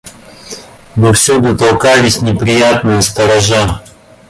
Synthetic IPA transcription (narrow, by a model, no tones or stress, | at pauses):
nɨfsʲud̪ət̪ɐlˠkalʲɪsʲnʲɪpɾʲɪjat̪nɨjəst̪ɐɾɐʐa